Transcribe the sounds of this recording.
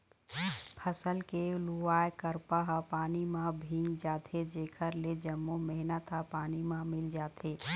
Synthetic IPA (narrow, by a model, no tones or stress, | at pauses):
pʰəsəlkeluaːekəɾpaɦapaːnimãbʱĩŋɡd͡ʒaːt̪ʰed͡ʒeːkʰəɾled͡ʒəmːumɛɦnət̪ɦapaːnimãmɪld͡ʒaːt̪ʰeː